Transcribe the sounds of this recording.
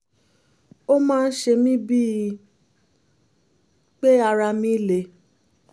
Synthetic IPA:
o˦mãː˦˧n̩˦ʃe˧mĩ˦bi˦˨ | k͡pe˦a˧ɾa˧mĩ˦le˧˨

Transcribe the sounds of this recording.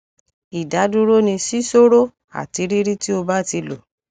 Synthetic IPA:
i˨da˨˦du˦ɾo˦nĩ˧si˦so˦ɾo˦ | a̰˦˨ti˧˦ɾi˦ɾi˦ti˦o˧ba˦ti˧lo˨

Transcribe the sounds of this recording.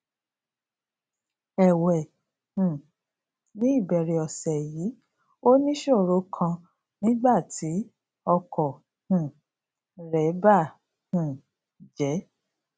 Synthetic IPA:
ɛ˨wɛ˨ | hũ˨ | nĩ˨˦i˦˨bɛ˧ɾi˧ɔ˧˨sɛ˨jiː˨˦ | o˦nĩ˦ʃo˦˨ɾo˨˦kʰã˧ | nĩ˦ɡ͡ba˦˨tʰi˨˦ | ɔ˧kʰɔ˨ | hũ˨ | ɾɛ˨˦ba˦˨ | hũ˨ | d͡ʒɛ˨˦

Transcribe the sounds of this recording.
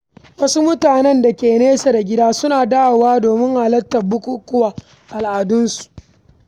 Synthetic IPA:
wɐ˦su˦mʊ˦taː˨nɛ˦nda˨kʲeː˨neː˦sa˨da˨ɡʲɪ˦daː˦sʊ˦naː˨daː˦wwaː˦doː˨mɪ˦ŋhaː˨lɐ˦tːɐ˨bʊ˦kʷu˦kʊ˦waː˨ | ʔa˨lʔaː˨dʊ˦nsu̥˨ʔ

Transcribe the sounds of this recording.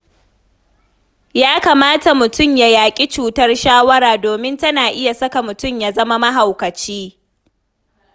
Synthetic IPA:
jaː˦kaː˨maː˦ta˨mʊ˨tʊ˦mja˦jaː˨kʲʼi˦t͡ʃuː˨tɐ˦rʃaː˦wɐ˦ɾaː˨doː˨mɪ˦ntɐ˦naː˨ʔɪ˦ja˨sɐ˦ka˨mʊ˨tʊ˦mja˦zɐ˦ma˦mɐ˦ɦa˨wkɐ˨t͡ʃiː˦

